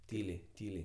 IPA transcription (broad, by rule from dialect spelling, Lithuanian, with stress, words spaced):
ˈtʲiːlʲɛɪ ˈtʲiːlʲɛɪ